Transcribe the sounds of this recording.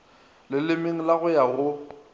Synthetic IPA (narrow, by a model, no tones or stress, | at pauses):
lɪlɪmɪŋ̩laɣʊjaɣʊ